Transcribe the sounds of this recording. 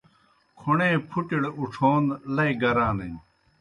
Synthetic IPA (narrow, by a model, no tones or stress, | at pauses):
kʰuɳẽːpʰuʈiɽuʈ͡ʂʰoːnlɐiɡɐɾãːnɐɲ